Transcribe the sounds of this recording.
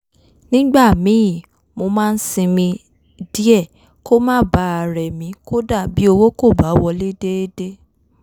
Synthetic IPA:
nĩ˦ɡ͡ba˦˨mĩ˨˦jĩ˦˨ | mo˧mãː˦˧n̩˦sĩ˧mĩ˧ | di˦ɛ˦˨ | ko˦mãː˦ba˨˦a˧˨ɾɛ˨mĩ˨˦ko˦da˦˨bi˨˦o˧wo˦ko˦˨ba˨˦wɔ˧le˦de˦e˦de˦

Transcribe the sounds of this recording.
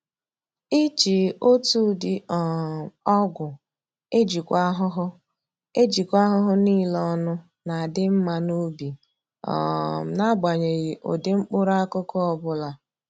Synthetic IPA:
i˦t͡ʃi˨o˦tu˦dɪ˨ɔ˨ɔ˦ɡʷʊ˨ | e˦d͡ʒi˨kʷa˦ɦʊ˦ɦʊ˦ | e˦d͡ʒi˨kʷa˦ɦʊ˦ɦʊ˦ni˦lɔ˦nʊ˦ | na˨a˨dɪ˦m̩˦ma˦no˦bi˨ | ɔ̰˨m̩˨na˦ɡ͡ba˨ɲe˨ɣɪ˨ʔo̰˨dɪ˦ŋ͡m̩˦k͡pʊ˦ɾa˦a˦kʊ˦kɔ˦ɔ˦bʊ˦la˨

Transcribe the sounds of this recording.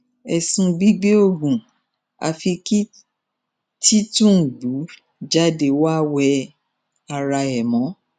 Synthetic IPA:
ɛ˨sũ˧ɡ͡bi˦ɡ͡be˦o˦˨ɡũ˨ | a̰˨˧fi˧ki˦ | ti˦tũ˦˨ɡ͡bu˨˦ | d͡ʒa˦de˧wa˦wɛ˧ | a˧ɾa˧ɛ˨mɔ̃˨˦

